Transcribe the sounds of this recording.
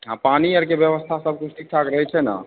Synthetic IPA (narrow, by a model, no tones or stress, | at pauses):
ãpaniəɾkebjəβəst̪ʰasəb̚ʱkuʈik̚t͡ʃʰakɾəɦɛt͡ʃʰɛna̰